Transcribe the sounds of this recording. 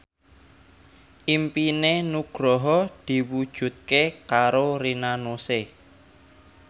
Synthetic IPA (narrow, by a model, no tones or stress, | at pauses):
ʔimpinenuɡ̥ɾɔɦɔd̪̥i̤wud̥ʒ̥ṳt̪̚kekaɾoɾinanose